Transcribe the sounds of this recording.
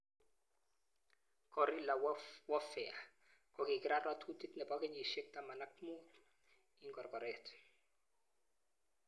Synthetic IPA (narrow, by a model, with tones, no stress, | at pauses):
kɔɾila˨wwɔ˦fɛa˨ | kɔki˨ki˦ɾa˦rat̪ʰu˦t̪i˦t̪nɛ˨pɔkɛ˦ɲi˨ʃe˦k̚ta˦ma˨nak̚mu˦ | iŋɡɔ˨rkɔ˨ɾɛtʰ